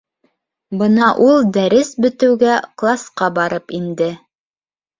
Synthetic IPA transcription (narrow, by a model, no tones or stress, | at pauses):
bɤnɑʔulˠd̪æɾɘsbɵ̆t̪ɘ̆wɡæqlˠasqɑbɑɾɤpind̪ɘ